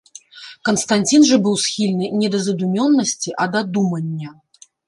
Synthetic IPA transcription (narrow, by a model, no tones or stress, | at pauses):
kɐnst̪anʲt͡sʲinʐɐbɨwsxʲilʲnɨnʲɛd̪ɐzɐd̪umʲɔnːɐsʲt͡sʲiʔɐd̪ɐd̪umɐnʲːɐ